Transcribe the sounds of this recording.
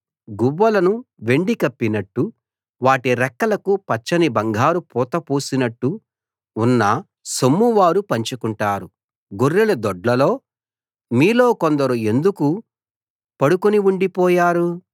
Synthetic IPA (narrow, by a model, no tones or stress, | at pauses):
ɡubːɐlɐnu | ʋe̞ɳɖikɐpːinɐʈːu | ʋaːʈiɾɛkːɐlɐkupɐt͡ʃːɐnibɐŋɡʱaːɾupɔːt̪ɐpoːsinɐʈːuː | nːɐ | somːuʋaːɾupɐɲt͡ʃukuɳʈaːɾu | ɡorːelɐd̪ɔɖlɐlo̞ː | miːlo̞ːkɔnd̪ɐɾue̞nd̪uku | pɐɽukoniuɳɖipɔːjaːɾu